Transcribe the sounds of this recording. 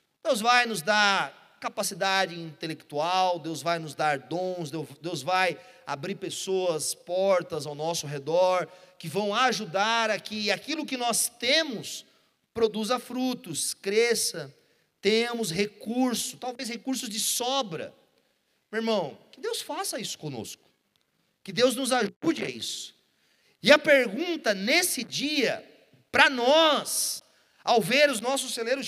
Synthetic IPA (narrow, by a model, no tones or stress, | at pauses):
d̪̥ewzvajnʊzd̪aɾ | kapasid̪ad͡ʒɪĩnt̪elekt̪uawd̪ewzvajnʊzd̪aɾd̪õw̃sd̪ewd̪ewzvajabɾiɾpesoɐspɔɾt̪ɐzawnɔsʊɦed̪ɔɾkɪvɐ̃w̃aʒud̪aɾɐkɪakilʊkɪnɔst̪ẽmʊs | pɾod̪uzɐfɾut̪ʊskɾesɐ | t̪ẽmʊshekuɾsʊt̪awvejshekuɾsʊzd͡ʒɪsɔbɾɐ̰ | meɾmɐ̃w̃kɪd̪ewsfasɐisʊ̥kõno̰skʊ̥ | kɪd̪ewznʊzaʒud͡ʒɪa̰ḭsʊ̥ | ɪɐpeɾɡũnt̪ɐnesɪd͡ʒiɐ̰ | pɾɐnɔs | awveɾʊznɔsʊseleɾʊ